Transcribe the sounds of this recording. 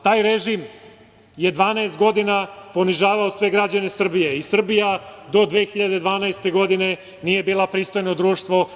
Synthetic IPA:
t̪aːjɾeʒim | jed̪ʋaːnaest̪ɡo̞d̪inapo̞niʒaːʋaosʋe̞ɡɾad͡ʑane̞sr̩bije̞isr̩bijad̪o̞d̪ʋeːxiʎad̪e̞d̪ʋaːnaest̪e̞ɡo̞d̪ine̞ | nije̞biːlˠapɾiːst̪o̞jnod̪ɾuːʃt̪ʋo̞

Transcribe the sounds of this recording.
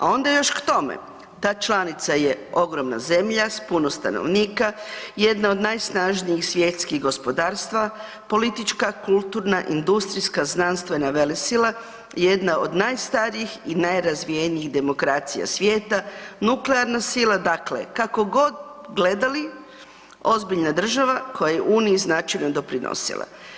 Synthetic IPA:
a̰o̞nd̪ajo̞ʃkt̪o̞mḛ | t̪aːt͡ʃlˠanit̪saje̞o̞ɡɾo̞mna̰ze̞mʎaspunost̪a̰no̰ʋniːkaje̞d̪nao̞d̪najsnaʒniixsʋjet̪skiɣɡo̞spo̞d̪aːɾst̪ʋa | po̞lit̪it͡ʃkakulˠt̪uɾnaʔind̪ust̪ɾiskaznanst̪ʋe̞naʋe̞lesila | je̞d̪naʔo̞d̪najst̪aɾiixinajɾazʋijeniiɣd̪e̞mo̞kɾaːt̪sḭja̰sʋje̞ːt̪anukleaɾnasilˠad̪aklḛkako̞ɡo̞d̪ɡle̞d̪ali | o̞zbiʎnad̪r̩ʒaʋako̞jajeʔuːniiznat͡ʃajnod̪o̞pɾinʔo̰sḭlˠa̰

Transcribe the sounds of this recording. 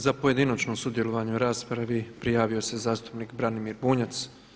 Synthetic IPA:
zapoje̞d̪inot͡ʃnomsud̪je̞lˠoʋaːɲeuɾaːspɾaʋipɾijaːʋio̞se̞zaːst̪u̥pniːkbɾanimiːɾbuːɲat̪s

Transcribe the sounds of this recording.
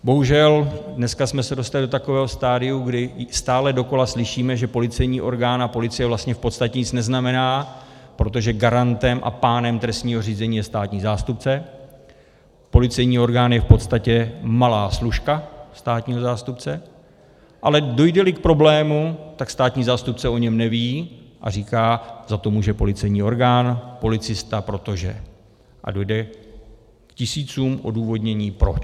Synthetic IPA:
bo̞ɦuʒɛldnɛskasmɛsɛdo̞st̪alɪdo̞t̪akovɛːɦo̞st̪aːdɪjuɡdɪst̪aːlɛdo̞ko̞laslɪʃiːmɛʒɛpo̞lɪt͡sɛjɲiːʔo̞̰ɾɡaːnapo̞lɪt͡sɪjɛvlast̪ɲɛfpot̪st̪acɛɲɪt͡snɛznamɛnaː | pɾo̞t̪̬o̞ʒɛɡaɾant̪ɛmʔa̰paːnɛmt̪ɾɛst̪ɲiːɦo̞riːzɛɲiːjɛst̪aːt̪ɲiːzaːst̪upt͡sɛ | po̞lɪt͡sɛjɲiːo̞ɾɡaːnjɛfpo̞t̪st̪acɛmalaːsluʃkast̪aːt̪ɲiːɦo̞zaːst̪up̚t͡sɛ | ʔalɛdo̞jdɛlɪk̚pɾo̞blɛːmut̪akst̪aːt̪ɲiːzaːst̪up̚t͡sɛo̞ɲɛmnɛviːʔa̰riːkaːzat̪o̞muːʒɛpo̞lɪt͡sɛjɲiːo̞ɾɡaːnpo̞lɪt͡sɪst̪apɾo̞t̪o̞ʒɛ̰ | ʔa̰do̞jdɛ | kcɪsiːt͡suːmʔo̞̰duːvo̞dɲɛɲiːpɾo̞t͡ʃ

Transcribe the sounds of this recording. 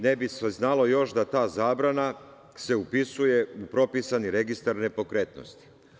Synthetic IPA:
nebisʋeznalo̞jo̞ʃd̪at̪aːzaːbɾana | se̞upisuje̞upɾo̞pisaniɾe̞ɡist̪aɾne̞po̞kɾeːt̪no̰st̪i̥

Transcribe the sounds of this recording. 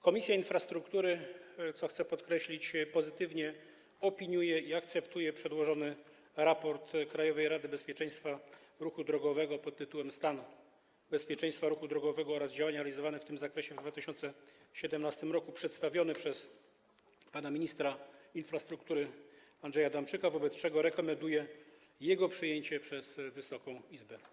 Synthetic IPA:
kɔmʲisʲjainfɾast̪ɾukt̪uɾɘt̪sɔxt̪sɛpɔt̪kɾɛɕlʲit͡ɕpɔzɘt̪ɘvɲɛ | ɔpʲiɲujɛiakt̪sɛpt̪ujɛpʂɛd̪wɔʐɔnɘ | ɾapɔɾt̪kɾajɔvɛjɾad̪ɘbɛspʲjɛt͡ʂɛj̃st̪faɾuxud̪ɾɔɡɔvɛɡɔpɔt̪ːɘt̪uwɛmst̪anu | bɛspʲjɛt͡ʂɛj̃st̪faɾuxud̪ɾɔɡɔvɛɡɔɔɾazd͡ʑawaɲaɾalʲizɔvanɛft̪ɘmzakɾɛɕɛvd̪vat̪ɘɕɔnt̪sɛɕɛd̪ɛmnast̪ɘmɾɔkupʂɛt̪st̪avʲjɔnɘpʂɛs | panamʲiɲist̪ɾainfɾast̪ɾukt̪uɾɘ | andʐɛjad̪amt͡ʂɘkavɔbɛt̪st͡ʂɛɡɔɾɛkɔmɛnd̪ujɛ | jɛɡɔpʂɘjeɲt͡ɕɛpʂɛzvɘsɔkɔ̃w̃izbɛ

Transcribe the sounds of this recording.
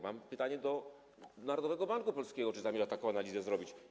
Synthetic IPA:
mampɘt̪aɲɛd̪ɔ | naɾɔd̪ɔvɛɡɔbaŋkupɔlskʲeɡɔt͡ʂɘzamʲeʐɛt̪akɔ̃w̃analʲizɛzɾɔbʲit͡ɕ

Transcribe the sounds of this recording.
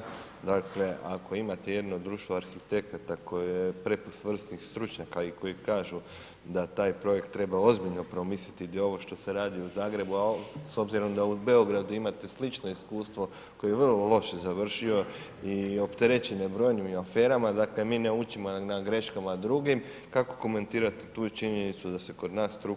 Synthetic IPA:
d̪akle̞ʔako̞imat̪e̞je̞d̪nod̪ːɾuːʃt̪ʋoaɾxit̪e̞kat̪ako̞jijepɾe̞pust̪ʋr̩st̪nixst̪ɾut͡ʃɲakaiko̞jikaːʒu | d̪at̪aːjpɾo̞je̞kt̪ːɾe̞bao̞zbiʎno̞pɾo̞misit̪id̪o̞ʋo̞ʃt̪o̞seɾaːd̪iuzaːɡɾe̞buaso̞bziɾo̞md̪aube̞o̞ɡɾad̪uimat̪e̞slit͡ʃno̞iskuːst̪ʋo̞ | ko̞jeeʋrlolˠo̞ʃezaʋr̩ʃio̞ | io̞pt̪eɾe̞t͡ɕenebɾo̞jnimafeːɾamad̪aːklemiːneut͡ʃimonaɡɾe̞ʃkamad̪ɾuɡim | kako̞̥ko̞me̞nt̪iːɾat̪i̥t̪uːt͡ʃiɲe̞nit̪sud̪ase̞ko̞d̪naːst̪ɾu

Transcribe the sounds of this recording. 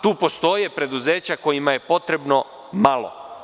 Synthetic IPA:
t̪uːpo̞st̪o̞je̞pɾe̞d̪uze̞ːt͡ɕako̞jimaje̞po̞t̪ɾe̞bno̞ | malˠo̰

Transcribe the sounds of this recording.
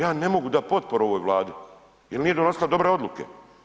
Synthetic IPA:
jaːne̞mo̞ɡud̪apo̞t̪̚poɾuoʋoːjʋlˠaːd̪i | jelniːjed̪onosilˠad̪o̞bɾe̞o̞d̪lˠukḛ

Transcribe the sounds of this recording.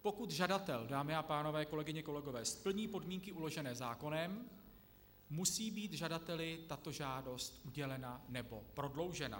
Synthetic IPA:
po̞kut̪ʒadat̪ɛldaːmɪapaːno̞vɛːko̞lɛɡɪɲɛko̞lɛɡo̞vɛːspl̩ɲiːpo̞dmiːŋkɪʔulo̞ʒɛnɛːzaːko̞nɛm | musiːbiːt̪ʒadat̪ɛlɪt̪at̪o̞ʒaːdo̞st̪ʔuɟɛlɛnanɛbo̞pɾo̞dlo̞wʒɛna̰

